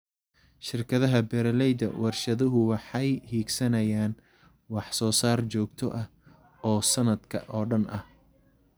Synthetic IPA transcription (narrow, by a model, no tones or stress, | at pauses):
ʃɪrkʰɐðɐɦɐbɛɾɐlɛjd̪ɐ̰wɑrʃɐðɐɦʊwɑħɑjhiːɡsɐnɐjaːn | wɑħsɔːsaːrt͡ʃɔːɡt̪ʰɔʔɐh | ɔːsɐnɐd̪kʰɐ̰ʔɔːɖɐnɐh